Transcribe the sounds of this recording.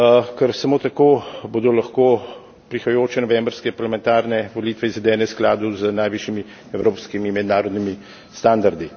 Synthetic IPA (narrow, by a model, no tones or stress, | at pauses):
kɛɾsamoːt̪akoːbod̪ɔlɐxkoː | pɾixɐjoːt͡ʃɛnɔʋɛmbɾskɛpaɾlamɛnt̪aːɾnɛʋɔliːt̪ʋɛizʋɛd̪ɛːnɛsklaːd̪uzənajʋiːʃjimi | ɛwɾoːpskimimɛd̪naːɾɔd̪nimi | st̪aːnd̪aɾd̪i